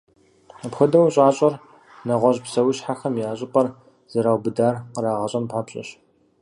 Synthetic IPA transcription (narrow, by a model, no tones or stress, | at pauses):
pxɐdɐwɕʼaːɕʼɐr | nɐʁʷɔʑpsɐwʊɕħaxɐmjaːɕʼɪpʼɐr | z̥ɐɾaːwbɨdaːrqəɾaːʁɐɕʼɐmpʰaːpɕʼɐ̰ɕ